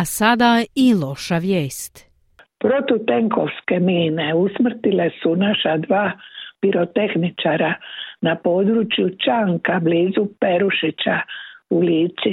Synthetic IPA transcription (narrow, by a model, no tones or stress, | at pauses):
asad̪ailo̞ʃaʋjeːst̪ | pɾo̞t̪ut̪e̞ŋko̞ʋske̞miːneusmr̩t̪ile̞sunaʃad̪ʋaːpiɾot̪e̞xnit͡ʃaɾanapo̞ːd̪ɾut͡ʃjut͡ʃaŋkabliːzupe̞ɾuʃit͡ɕauliːt͡ʃ̪i